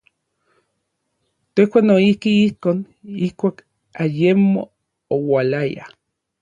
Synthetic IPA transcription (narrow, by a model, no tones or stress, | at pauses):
t̪ehkʷanoihkiihkoːn | ihkʷaːk | ajemo̰ | owalaja̰